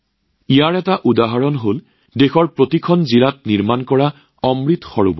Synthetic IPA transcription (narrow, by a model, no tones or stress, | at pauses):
ijaɹɛtaʔudaɦaɹɔnɦol | dexɔɹpɹotikʰɔnzilat̚niɹmankɔɹa | ɔmɹitxɔɹṵbɔ